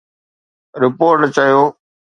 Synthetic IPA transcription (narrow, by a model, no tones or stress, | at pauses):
ɾɪpoːɾʈt͡ɕɐjoː